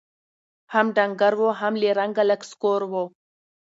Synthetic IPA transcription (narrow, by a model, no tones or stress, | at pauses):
hamɖaŋɡaɾwoɦamleɾaŋɡaləkskoɾwo